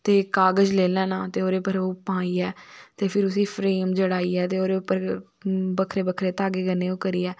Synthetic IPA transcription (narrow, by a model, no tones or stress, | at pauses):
t̪eːkaːɡəd͡ʒleːlɛ̃ːnaːt̪eːoːɾeːpəɾoːpãːiːɛːt̪eːpʰɪɾʊsĩːpʰɾeːmd͡ʒəɽaːiːɛːt̪eːoːɾeːʊpːəɾ | bəkʰɾeːbəkʰɾeːt̪aːɡeːɡəneːõːkəɾiːɛː